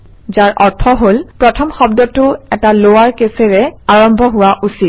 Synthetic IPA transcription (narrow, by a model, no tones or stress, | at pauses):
zaɹʔɔɹtʰɔɦolpɹɔtʰɔmxɔbdɔtʊɛtalowaɹkesɛɹɛaɹɔmbʱɔɦʊwaʔusit̚